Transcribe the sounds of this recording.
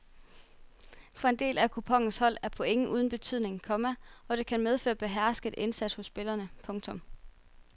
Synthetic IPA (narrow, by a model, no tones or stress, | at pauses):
fɒ̽e̝nde̝̰ːlækʰupʰɒ̽ŋ̰n̩shɒ̽l̰æɐpʰɒ̽eŋəʔuːð̞ˠn̩b̥e̝t͡sʰy̰ð̰ˠne̝ŋkʰɒ̽mæɒ̽ɾ̥e̝kʰænmeð̞ˠfø̰ːɐb̥e̝ɦæɐ̰sɡ̥ð̩ˠʔe̝nsæd̥shɔ̽sːb̥e̝lɐnəpʰɔ̽ŋt͡sʰɔ̽m